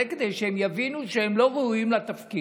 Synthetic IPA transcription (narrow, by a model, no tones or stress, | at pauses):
eked̪ejʃehemjavinuʃehemlo̞ʁeuimlat̪afki